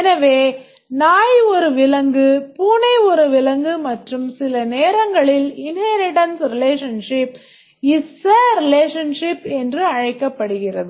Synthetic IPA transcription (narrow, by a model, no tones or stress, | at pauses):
ɛnɐʋeː | naːjɔɾɯʋɪlɐŋɡɯpuːnɐɪɔɾɯʋɪlɐŋɡɯmɐʈrɯmsɪlɐneːɾɐŋɡɐɭɪlɪnhɐːɾɪʈɐnsɾɪleːʂɐnʂɪp | ɪsːɐɾɪleːʂɐnʂɪpɛndrɯɐɻɐɪkːɐpːɐɽɯɣɪrɐðɯ